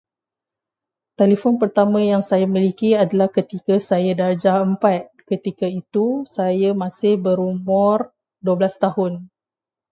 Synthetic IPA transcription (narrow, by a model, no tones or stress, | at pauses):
t̪elefɔnpərt̪amə̃jaŋsajamĩlikiadalahkət̪ikasajadard͡ʒaəmpat̪̚kət̪ikait̪usajamãsɪhbəɾumʊr | duəblast̪ahʊn